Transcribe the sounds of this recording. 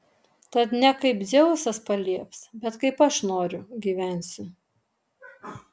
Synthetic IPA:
t̪ɐt̪nʲɛkɐɪpzʲɪlˠsɐspɐlʲiɛpsbʲɛt̪kɐɪpɐʃnoːɾʲʊɡʲiːʋʲæˑnʲsʲʊ

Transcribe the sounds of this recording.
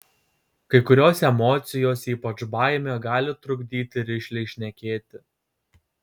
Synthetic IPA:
kɐɪkʊɾʲoːsʲɛmɔːt̪sʲɪjoːsiːpɐt͡ʃbɑˑɪmʲeːɡɑːlʲɪt̪ɾʊɡʲd̪ʲiːt̪ʲɪɾɪʃʲlʲɪʃʲnʲɛkʲeːt̪ʲɪ

